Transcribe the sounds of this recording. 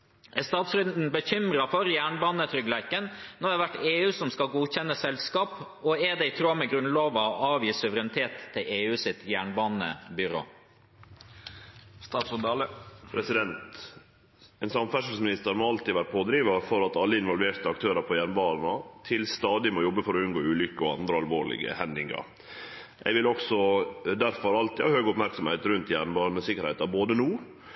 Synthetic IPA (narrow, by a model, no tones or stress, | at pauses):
ʔɛst̪ɑːt̪sɾʉnd̪n̩bəçʏmɾɑfɔɾjæːɳbɑːnət̪ʰɾʏɡlæɪkənnɔɾæɾʋæʈːeːʉːsɔmskɑlɡuːçɛnːəsɛlskɑːp | ɔɛd̪ɛɪt̪ʰɾoːmɛɡɾʉnloːʋɑʔɑːʋjiːsʉʋəɾɛnɪt̪ʰeːt̪ʰːɪleːʉːsɪt̪jæːɳbɑːnə̰bʏɾo̰ː | st̪ɑːsʊd̪ləpʰɾɛsɪd̪ɛnt̪ | ɛnsɑmfæʂəlsmɪnɪst̪əɾmɔɑlt̪iʋæːɾəpʰoːd̪ɾiːʋɑfɔɾɑt̪ɑlːəɪnʋɔlʋeːt̪əɑk̚t̪ʰøːɾɑpʰɔjæːɳbɑːnnɑt̪ʰɪlst̪ɑːd̪ɪmoːjɔbːəfɔɾɔʉnɡoːʉːlʏkːəɔɑnd̪ɾəɑlʋoːɭɪ̰ɡə̰hɛnd̪ɪŋɑ̰ɾ | ʔɛ̰ɪʋɪlɔksɔd̪æɾfɔɾɑlt̪ɪhɑːhøːɡəʊpmæɾksɔmhɛɪt̪ɾʉnt̪jæːɳbɑːnnəsɪkːəɾhɛɪt̪ɑɾboːd̪ənuː